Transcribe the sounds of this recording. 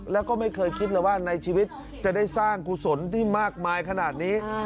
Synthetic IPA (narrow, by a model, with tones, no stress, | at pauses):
lɛː˦˥wkɔː˥˩ma˥˩jkʰɤː˧jkʰi˦˥t̪̚laː˨˩waː˥˩na˧jt͡ɕʰiː˧wi˦˥t̪̚ | t͡ɕa˨˩da˥˩jsaː˥˩ŋkʰu˧˩so˩˦nt̪ʰiː˥˩maː˥˩k̚maː˧jkʰa˧naː˨˩t̪̚niː˦˥